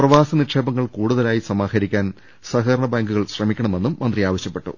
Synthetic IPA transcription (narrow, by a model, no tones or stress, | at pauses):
prɐʋaːsɐniʂeːbɐŋːɐɭkuːɽuðɐlaːjisɐmaːhɐɾikʲːaːn | sɐɦɐɾɐɳɐbaːŋɡuɣɐɭɕrɐmikʲːɐɳɐme̞nːumːɐnd̪riaːʋɐɕjɐpːe̞ʈːṵ